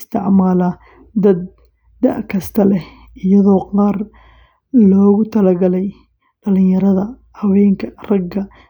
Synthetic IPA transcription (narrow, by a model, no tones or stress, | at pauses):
st̪ʰɪʕmaːlɐ | d̪ɐd̪̚ː | ɐ̰ʔkʰɐst̪ʰɐlɛh | ʔɪjɐðɔːqɑːr | lɔːɣʊt̪ʰɐlɐɡɐlɛj | ɖɐlɪ̃jɐɾɐðɐ | hɐwɛːŋkʰɐrɐɡɐ